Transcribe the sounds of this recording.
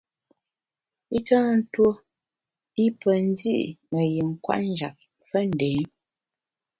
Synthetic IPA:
i˦kaː˦n̩˦two˦ | i˦pə˨n̩˦dḭ˦ʔŋə˨jə˨ŋ̩˨kwa̰˦ʔn˦d͡ʒa̰˨p̚ | fə˦n̩˨de˨˦

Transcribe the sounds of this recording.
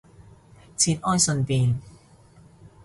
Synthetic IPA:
t͡ɕʰi˧˥t̪̚ʔɔː˥˩jso˧np̪iː˧

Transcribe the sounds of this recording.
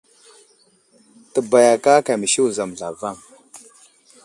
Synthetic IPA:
tə˨ba˨ja˨ka˦ka˨mə˨ʃi˦wu˨za˨m˨ɮa˨va˦˨ŋ

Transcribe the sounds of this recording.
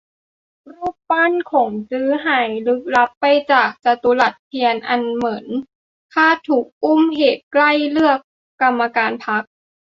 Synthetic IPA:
ɾuː˥˩p̚pa˥˨nkʰɔː˨˩˦ŋsɯː˦˥ɦaː˨˩˦jlɯ˦˥k̚la˦˥pːa˧jt͡ɕaː˨˩k̚t͡ɕa˧t̪u˧la˨˩t̪̚k̪ʰi˧ənʔa˧nmɯ˩˦n | k̪ʰaː˥˩t̪ʰuː˨˩k̚ʔu˥˩mɦeː˨˩t̪̚kla˥˩jlɯ˥˩əkː | a˧mːa˧kaː˧npʰa˦˥k̚

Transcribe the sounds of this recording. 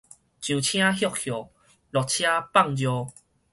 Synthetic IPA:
t͡ɕjũ˨t͡ɕʰj̃ã˦ɦjɔ˥˧˨k̚hjɔ˨˩ | lɔ˨k̚t͡ɕʰjã˦pa˥˨ŋd͡ʑjɔ˧

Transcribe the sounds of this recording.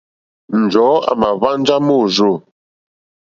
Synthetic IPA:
n̩˨d͡ʒɔː˨˦a̰˨ma˨va˦n˦d͡ʒa˦mo˦˨ʒo˦˨

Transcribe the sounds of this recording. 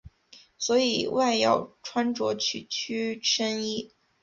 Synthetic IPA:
swɔ˧˥i˨˩wa˥˧ɪjɑ̰˥˩ʊʈ͡ʂʰwa˥nʈ͡ʂwɔ˧˥t͡ɕʰy˥˩t͡ɕʰy˥ʈ͡ʂə˥ni˥

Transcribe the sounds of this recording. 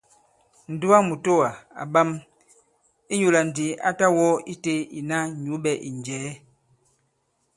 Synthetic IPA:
n̩˨du˦a˦mu˨to˦wa˨a̰˨ba˦m | i˦ɲu˨la˨n̩˨di˨˦a̰˦ta˦wɔ˦i˦te˦i˨na˦ɲu˨˦ɓɛ˨ʔi˨nd͡ʒɛː˨˦

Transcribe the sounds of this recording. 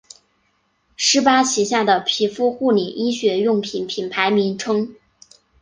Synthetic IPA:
ʂɻ̩˥pa˥ɕi˧˥ɕja˥˩d̪ə˩pʰi˧˥fu˥xu˥˩nɛ˨˩ʔi˥ɕɥɛ˧˥jʊ˥˩ŋpʰi˨˩npʰi˨˩npʰa˧˥ɪmi˧˥nʈ͡ʂʰɤ˥ŋ

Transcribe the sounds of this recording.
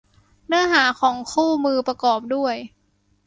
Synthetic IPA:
nɯ˧˥ɐɦaː˩˦kʰɔː˩˦ŋkʰuː˥˩mɯː˧pɾa˧kɔː˨˩p̚du˥˩əj

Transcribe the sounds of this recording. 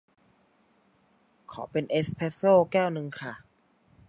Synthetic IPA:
kʰɔ̰ː˩˦pe˧nʔe˦˥spʰe˦˥soː˥˩kɛː˥˩wnɯ˧ŋkʰa˥˩

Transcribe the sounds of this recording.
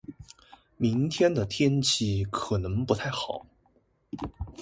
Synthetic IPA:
mi˧˥ŋt̪ʰjɛ˥nd̪ə˨t̪ʰjɛ˥nt͡ɕʰi˧˥kʰɤ˨˩nɤ˧˥ŋpu˧˥t̪ʰa˥˩ɪxɑ˨˩˦ʊ

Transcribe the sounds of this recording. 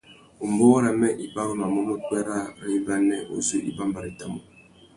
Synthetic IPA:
u˨m˨bo˦wa˦ɾa˨mɛ˦ʔi˨ba˦wu˦ma˨mɔ˦mo˦k͡pɛ˦ɾa˦ɾi˦ba˦nɛ˦ʔo̰˨zu˦ʔḭ˨ba˦mba˨ɾi˨ta̰˨mo˨

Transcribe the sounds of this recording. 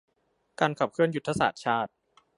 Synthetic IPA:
kaː˧nkʰa˨˩p̚kʰɯ˥˩ənju˦˥t̪ʰːa˧sa̰ː˨˩t̪̚t͡ɕʰaː˥˩t̪̚

